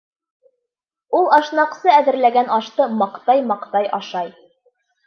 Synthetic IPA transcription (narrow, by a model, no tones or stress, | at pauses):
ulˠɑʃnɑqsɤæðɘ̆ɾlæɡænɑʃt̪ɤmɑqt̪ɑjmɑqt̪ɑjʔɑʃɑj